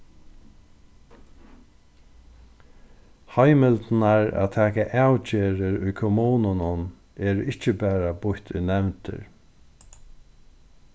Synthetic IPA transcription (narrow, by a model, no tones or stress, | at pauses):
hajmɪlt̪naɹa̰ːt̪ʰæːkaʔawt͡ʃeːɾɪɾʊjkʰɔmuːnʊnʊn | eːɾʊɪht͡ʃəbæːɾabʊht̪ʊjnɛwnt̪ɪ̰ɾ